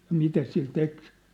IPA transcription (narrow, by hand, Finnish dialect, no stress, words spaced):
jɑ mitæ sil tek